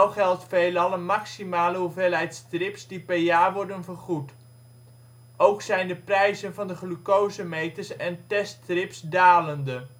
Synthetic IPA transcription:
owχɛlˠtfejləɑləmɑksimaːləɦuvelɦɛjtstrɪpsdipɛɹjaːɹʋɔɹdənvərχut | ʔowksɛjndəprɛjzənvɑndəχlykowzəmejtəsɛntɛstrɪpsdaːləndə

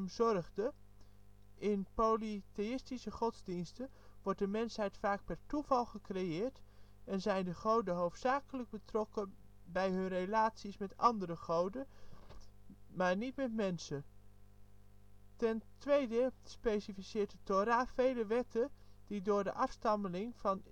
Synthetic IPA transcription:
mzɔrχdə | ɪnpolitejɪstisəχɔtzdinstə | ʋɔɹt̚dəmɛnsɦɛjtfaːk̚pɛrtuvɑlˠχəkrejɪːɹtɛnzɛjndəχowdəɦowftsaːkələɡ̚bətrɔkə | bɛjɦɵnrelaːtsismɛtɑndərəχowdə | maːɹnitmɛtmɛnsə | tɛntʋejdəspejsifisɪːɹtətoɾaːfejləʋɛtəd̥idʊːɹdəʔɑfstɑməlɪŋvɑn

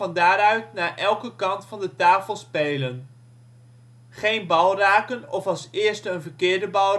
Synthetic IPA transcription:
ɑndaːɾœɥtnaːʔɛlˠkəkɑntfɑndətaːfəlˠspejlən | χejnbɑlˠraːkənɔfɑlˠsɪːɹstənvəɹkɪːɹdəbɑl

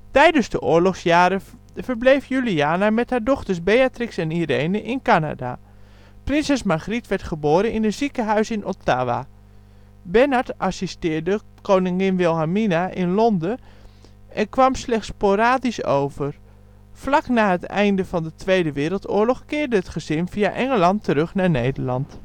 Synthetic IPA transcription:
tɛjdənzdəʔʊːɹlɔχsjaːɾə | vəɹblejfjyliaːnamɛthaːɹdɔχtəɹsbejatrɪksɛniɾejnəʔɪnkana̰da̰ | prɪnsɛsmaχritʋɛɹtχəboːɾənɪnətz̥ikəɦœɥsɪnota̰ːʋa̰ | bɛnatʔasistɪːɹdə | kownɪŋɪnʋɪlˠɦaminaʔɪnlɔndə | ʔɛnkʋɑmslɛχtspoɾaːdiso̰wvəɹ | flɑknaːɦətɛ̰jndəvɑndətʋejdəʋɪːɾəlˠtʊːɹlɔχkɪːɹdəɦətχəzɪnv̥iaʔɛŋəlɑntəɾɵχnaːɹnejdəɹlɑnt

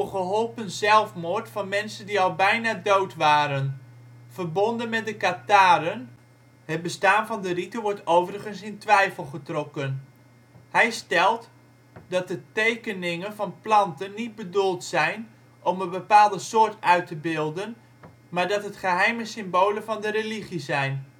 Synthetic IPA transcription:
χəɦɔlˠpənzɛlˠfmʊɹtfɑnmɛnsəndiɑlˠbɛjnadowtʋaːɾənvərbɔndənmɛt̚dəkataːɾən | hət̚bəstaːnvɑndəritəʋɔɹtowvəɾəχənsɪntʋɛjfəlˠχətrɔkən | hɛjstɛlˠt | dɑt̚dətejkənɪŋənvɑnplɑntənːit̚bədulˠtsɛjn | ʔɔməbəpaːlˠdəsʊːɹtœɥtəbɪlˠdən | maːɹdɑtɦətχəɦɛjməsɪmboːləvɑndəɾeliχizɛjn

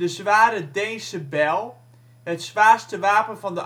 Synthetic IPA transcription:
dəsʋaːɾədejnsəbɛlˠ | ətsʋaːrstəʋaːpənfɔndə

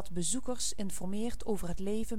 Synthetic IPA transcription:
tbəzukərsɪnfɔrmɪːɹtowvərɦətlejvə

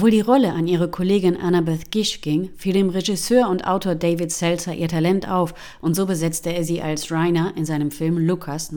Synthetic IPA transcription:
voːldiːʁɔləʔaniːʁ̞əkʰoleːɡɪnʔa̰nabɛθɡ̥ɪʃɡ̥ɪŋfiːldeːmʁeʒɪsøːɐʊntʔa̰ʊtʰoːɐdeɪvɪtsɛlsɐʔiːɐtʰalɛnta̰ʊf | ʔʊntz̥oːbəzɛt͡stəeːɐziːʔa̰lsʁaɪnɐʔɪnzaɪnəmfɪlmlukʰas

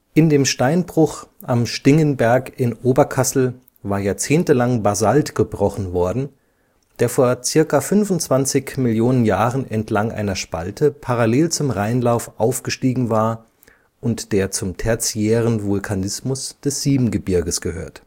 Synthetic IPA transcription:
ʔɪndeːmʃtaɪnbʁʊχʔamʃtɪŋənbɛɐkɪnʔoːbɐkʰasl̩ | vaːɐjaːɐt͡seːntəlaŋbazaltɡ̥əbʁɔχn̩vɔɐdn̩ | d̥eːɐfoːɐt͡sɪɐkafʏnvʊntt͡sv̥ant͡sɪçmɪljoːnənjaːʁənʔɛntlaŋʔa̰ɪnɐʃpa̰ltʰəpʰaʁaleːlt͡sʊmʁaɪnlaʊfʔaʊfɡ̥əʃtiːɡŋ̩vaːɐ | ʔʊntd̥eːɐt͡sʊmtʰɛɐt͡sijɛːʁənvʊlkʰanɪsmʊsd̥ɛsz̥iːbm̩ɡəbɪɐɡəsɡ̥əhø̰ːɐt

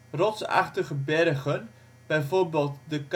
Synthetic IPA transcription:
rɔtsa̰χtəχəbɛrɣən | b̥ɛjvorbɪlˠtdək

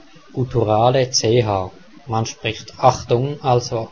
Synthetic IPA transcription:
utʰuʁaːlət͡seːɦaː | manʃpʁ̥ɪxtaχtʊŋalzo

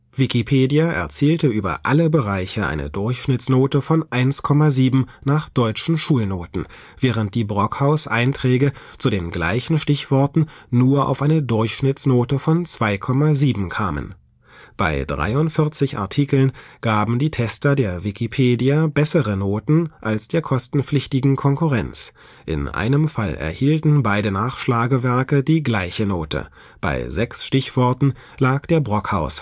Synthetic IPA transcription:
v̥ikipʰeːdijaʔɛ̰ɐt͡siːltəʔyːbɐ̰ʔaləbəʁaɪçəʔa̰ɪnə̰dʊɐçʃnɪt͡snoːtəfɔnʔaɪnskʰɔmaziːbm̩naːχd̥ɔʏt͡ʃn̩ʃuːlnoːtn̩ | v̥ɛːʁ̞ənt̚d̥iːbʁɔkhaʊsʔaɪntʁ̥ɛːɡə | t͡sudeːnɡla̰ɪçn̩ʃtɪçv̥ɔɐtn̩nuːɐʔa̰ʊfʔaɪnədʊɐçʃnɪt͡snoːtəfɔnt͡sv̥aɪkʰɔmaziːbm̩kʰaːmə̰n | b̥a̰ɪdʁa̰ɪʊntfɪɐt͡sɪçʔa̰ɐtʰiːkl̩nɡ̥aːbm̩diːtʰɛstɐdeːɐvɪkipʰeːdiabɛsəʁənoːtn̩ʔalsd̥eːɐkʰɔstn̩flɪçtɪɡŋ̩kʰɔŋkuʁɛnt͡s | ʔɪ̰nʔa̰ɪnəmfalɛ̰ɐhiːltn̩baɪdənaːχʃlaːɡəvɛɐkədiːɡlaɪçənoːtə̰ | b̥a̰ɪzɛksʃtɪçv̥ɔɐtn̩ | laːkd̥eːɐbʁɔkha̰ʊs

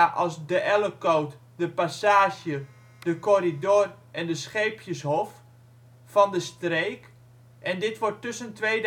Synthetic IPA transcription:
ʔɔsdəʔɛləkowt | dəpasaːʃjə | dəkɔɾidoːrʔɛndəsχejpʰjəsɦɔf | fɔndəstreːk | ʔɛndɪtʋɔrtːɵsəntʋejd

